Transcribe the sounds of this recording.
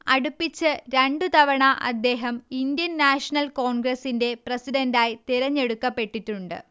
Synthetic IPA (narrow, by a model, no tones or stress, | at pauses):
ɐɽupːit͡ɕːɨɾeɳɖut̪ɐʋɐɳɐʔɐ̰d̪ːe̞ːɦɐmind̪jɐnnaːʂɐnɐlkoːɳɡɾɐsinde̞prɐsidɐndaːjit̪iɾɐɲːe̞ɽukːɐpːe̞ʈːitːuɳɖɨ̰